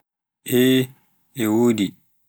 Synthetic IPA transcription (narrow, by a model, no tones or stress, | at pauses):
ʔɛ | ɛwoːdi